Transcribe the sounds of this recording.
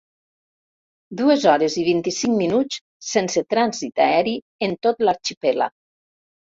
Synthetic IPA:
d̪uezɔɾeziβ̞int̪isiŋminut͡s | senset̪ɾanzit̪aɛɾi | ent̪ot̪laɾt͡ʃipela̰

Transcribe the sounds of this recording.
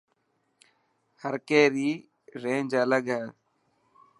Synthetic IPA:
həɾkeːɾiː | ɾẽːnd͡ʒələɡɛː

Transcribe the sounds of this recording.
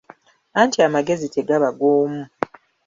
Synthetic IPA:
aːntiamaɡe̞zite̞ɡaβaɡoːmu

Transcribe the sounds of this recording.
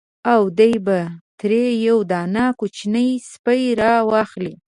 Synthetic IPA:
awd̪əjbat̪ɾejawd̪ɑnakut͡ʃnəjspəjɾɑwɑxli

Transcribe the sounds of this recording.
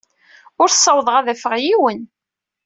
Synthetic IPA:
ʊɾθsˤːɑwðˤʁaðæfəʁjiwən

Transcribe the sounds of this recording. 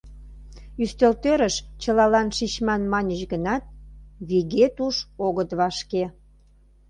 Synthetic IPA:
yst̪ølt̪øɾəʃt͡ɕəlɑlɑnʃit͡ɕmɑnmɑnʲəɕɡənɑt̪̚βiɣet̪uʃoɣət̪βɑʃke

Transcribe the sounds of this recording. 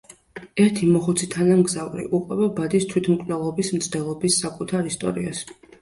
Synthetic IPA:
ɛɾt̪ʰimɔχut̪sʰit̪ʰanamɡzavɾḭʔuqʼwɛbabad̪ist̪ʰwit̪ʰmkʼnɛlˠɔbismt̪sʰd̪̥ɛlˠɔbisːakʼut̪ʰaɾist̪ʼɔ̰ɾḭa̰s

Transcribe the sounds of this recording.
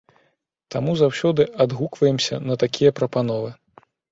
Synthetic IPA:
t̪amuzawsʲɔd̪ɨʔad̪ɣukvɐjɛmsʲɐ̰nɐt̪akʲijɐpɾɐpanɔvɨ

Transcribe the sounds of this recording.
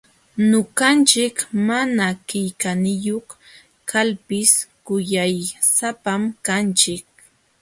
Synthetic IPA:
noɢɑnt͡ʃɪkmanakɪjkanɪjoχ | kʰalpɪskʊjajsapamkant͡ʃɪk̚

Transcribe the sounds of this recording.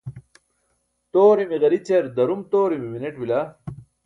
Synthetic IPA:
t̪oːɾimiɣɐɾit͡ɕeɾd̪ɐɾumt̪oːɾimimineʈwila

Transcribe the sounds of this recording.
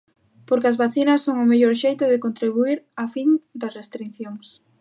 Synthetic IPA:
poɾkɪɐzβaθinɐsːoŋʊmeʎoɾʃejt̪ʊðɪkont̪ɾiβ̞uiɾafind̪ɐsrest̪ɾinθjoŋs

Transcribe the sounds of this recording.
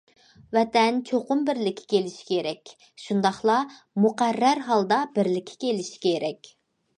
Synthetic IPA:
vɛt̪ɛnt͡ʃʰoqʊmbɪɾlɪkʲʰːɪ̥kʲʰelɪʃi̥kʲʰeɾɛkʲ | ʃund̪ɑχlˠɑ | muqærːæɾɦɑlˠd̪ɑbɪɾlɪkʲʰːi̥kʲelɪʃi̥kʲʰeɾɛkʲ

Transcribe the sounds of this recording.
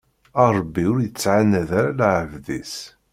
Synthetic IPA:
əɾˤəbːiʊɾjət͡sːʕanəðaɾalaʕəvðis

